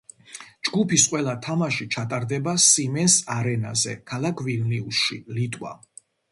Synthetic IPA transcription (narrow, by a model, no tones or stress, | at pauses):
d͡ʒɡupisqʼwɛlˠat̪ʰamaʃit͡ʃʰat̪ʼaɾd̪ɛbasimɛnsaɾɛna̰zɛkʰalˠakʰviɾniusʃilit̪ʼwa̰